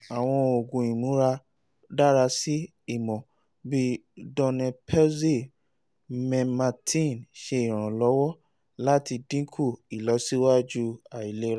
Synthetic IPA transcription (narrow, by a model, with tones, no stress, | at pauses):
a˨w̃ɔ̃˧o˨ɡũ˨ĩ˨mũ˨˦ɾa˧ | da˦˨ɾa˧si˦ | i˦˨mɔ̃˨ | bi˧dɔ̃˧nɛ̃˧pʰɛ˦ze˦˨ | mɛ̃˧ma˨˧tʰĩ˦˨nʃe˧i˦˨ɾ̃ã˨lɔ˨˦wɔ˦ | la˦ti˧dĩ˦kʰu˦˨i˨lɔ˨˦si˦wa˦d͡ʒu˦a˨i˨le˦ɾa˦